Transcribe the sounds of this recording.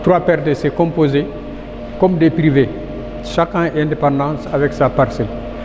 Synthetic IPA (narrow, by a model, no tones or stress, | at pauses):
t̪ɾwapɛɾt̪̚desekɔ̃poze | kɔmd̪epɾive | ʃakɛ̃ʔɛ̃nd̪epɑ̃d̪ɑ̃ːsavɛksapaɾsɛl